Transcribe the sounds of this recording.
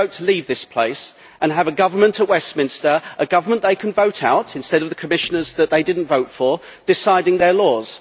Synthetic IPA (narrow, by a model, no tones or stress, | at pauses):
əʊtʰəliːvðɪspʰl̥eɪs | ʔə̃nəvəɡʌvə˞mə̃ntʰəʔ̚wɛsmɪ̃nstə˞ʔəɡʌvə˞mə̃nðeɪkʰə̃nvəʊɾaʊtʰɨ̃nstɛɾʌvðəkʰəmɪʃənə˞zðəʔ̪̚ðeɪdɪdⁿn̩tvəʊtfə˞ | d̥ɨsaɪɾɪ̃ŋðəlɔːz̥